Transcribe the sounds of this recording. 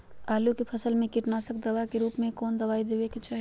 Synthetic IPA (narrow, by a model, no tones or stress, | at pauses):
aːlukepʰɐsəlmẽkɪʈnaːsəkd̪ɐʋakeɾuːpmẽkɔːnd̪ɐʋaːid̪eːʋeket͡ʃaːɦ